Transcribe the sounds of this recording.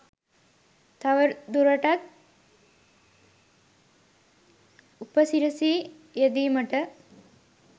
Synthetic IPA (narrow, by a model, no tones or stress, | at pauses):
t̪ːɐʋəɾd̪uɾɐʈɐt̪̚ | upəsiɾɐsiː | jed̪iːməʈə